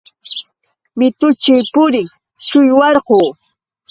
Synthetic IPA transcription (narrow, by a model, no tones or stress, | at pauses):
mɪt̪ʊt͡ʃɪjpʊɾɪŋ | t͡ʃʊjwɑɾqoː